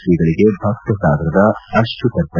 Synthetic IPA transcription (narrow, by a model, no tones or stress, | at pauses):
ɾiɡɐɭiɡe̞bʱɐktɐsaːɡɾɐd̪ɐɐɾʂʈukɐɾt̪ɐ